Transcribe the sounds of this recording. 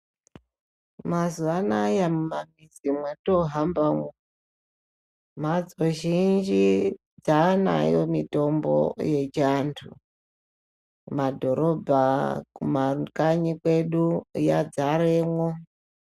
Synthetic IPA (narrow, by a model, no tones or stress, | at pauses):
mazuʋanajamumamid͡zimwetoɦambamo | mad͡zoʒind͡ʒi | d͡zana̰jomito̞mbo̰je̞t͡ʃantʰu | madʱo̞ɾo̞bʱakumaukaɲikwe̞ɗujad͡zaɾemwo